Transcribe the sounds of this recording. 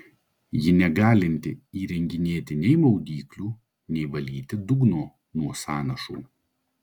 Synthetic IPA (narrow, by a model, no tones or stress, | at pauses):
jɪnʲɛɡɑːlʲɪnʲt̪ʲɪiːɾʲɛŋʲɡʲɪnʲeːt̪ʲɪnʲɛɪmɐʊɡ̪ʲiːklʲuː | nʲɛɪʋɐlʲiːt̪ʲɪd̪ʊɡnoː | nuɔsɑːnɐʃṵː